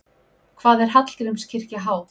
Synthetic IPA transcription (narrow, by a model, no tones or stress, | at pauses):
kʰvaːðɛɾ̥ɦat̪l̥c̪ɾʏmscʰɪr̥caɦaːwt̪